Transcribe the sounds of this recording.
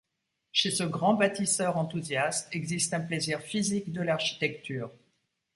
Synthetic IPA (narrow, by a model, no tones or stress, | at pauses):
ʃesəɡʁɑ̃bat̪isœʁɑ̃t̪uzjast̪ɛɡzist̪ɛ̃pleziʁfizikd̪əlaʁʃi̥t̪ɛk̚t̪yːʁ